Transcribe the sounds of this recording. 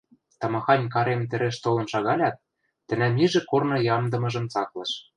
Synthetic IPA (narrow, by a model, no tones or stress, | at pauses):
t̪ɑmɑxɑnʲkɑɾemt̪ɘ̆ɾĕʃt̪olɤ̆nʃɑɣɑlʲɑt̪̚ː | ɘ̆næmiʒɘ̆kornɤ̆jɑmd̪ɤ̆mɤ̆ʒɤ̆mt͡sɑklɤ̆ʃ